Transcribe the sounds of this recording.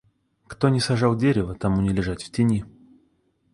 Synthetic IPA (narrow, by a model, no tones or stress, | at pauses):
kt̪o̞nʲɪsɐʐɑlˠdʲeɾʲɪvət̪ɐmunʲɪlʲɪʐatʲftʲɪnʲi